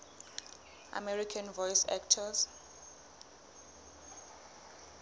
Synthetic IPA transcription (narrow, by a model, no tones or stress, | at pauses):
ʔa̰mɛɹikʰãnvɔjsɛ̰k̚tʰɔz